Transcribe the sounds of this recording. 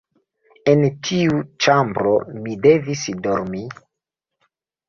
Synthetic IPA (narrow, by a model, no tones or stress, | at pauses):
entʰiut͡ʃambɾomide̞visdoɾmi